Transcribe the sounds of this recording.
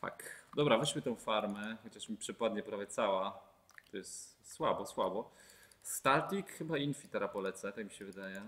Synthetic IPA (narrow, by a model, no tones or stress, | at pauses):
fa̰kd̪ɔbɾavɛɕmɘt̪ɔ̃w̃faɾmɛxɔt͡ɕaʂmʲipʂɘpad̪̚ɲɛpɾavʲjɛt̪sawa | t̪ɔjɛst̪swabɔswabɔst̪aɾt̪ʲikxɘbainfʲit̪ɛɾapɔlɛt̪sɛt̪akmʲiɕɛvɘd̪ajɛ